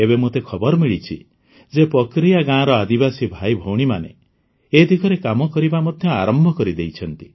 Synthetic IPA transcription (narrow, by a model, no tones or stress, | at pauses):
ebemot̪ekʰɔbɔɾɔmiɭit͡ʃʰḭ | d͡ʒepɔkɾijaɡãɾɔad̪ibasibʱajbʱowɽ̃imanḛ | ed̪ʱikʰɔɾekamɔkɔɾibamod̪ʱjɔa̰ɾɔmbʱɔkɔɾid̪ejt͡ʃʰɔnt̪i̥